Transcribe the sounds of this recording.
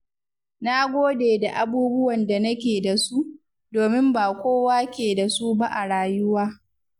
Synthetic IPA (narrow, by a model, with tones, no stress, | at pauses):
na˦ɡʷoː˦deː˨da˨ʔa˨buː˦bʊ˦wɐ˨nda˨nɐ˦kʲeː˨da˨su˦ʔ | doː˨mɪ˦mbaː˨kʷoː˦waː˦kʲeː˨da˨su˦ba˦ʔa˨ɽaː˨jʊ˦waː˦